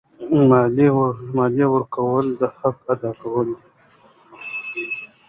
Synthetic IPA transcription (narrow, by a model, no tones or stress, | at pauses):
mɑlimɑlewəɾkawəld̪əhakad̪ɑkawəl